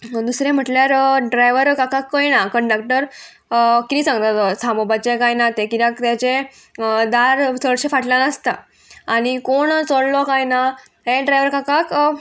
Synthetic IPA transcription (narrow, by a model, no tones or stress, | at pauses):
d̪usɾẽm̤əʈljaɾɖɾajʋəɾkakakːəjnakəɳɖak̚ʈəɾ | kit̪ĩsãŋɡt̪at̪sãmobat͡ɕekajnat̪ekiɾãkt̪jat͡ɕe | d̪aɾt͡sʰəɽɕefaʈljanəst̪a | añikoɳt͡soɽlɔkajna | ɦeɖɾajʋəɾkakak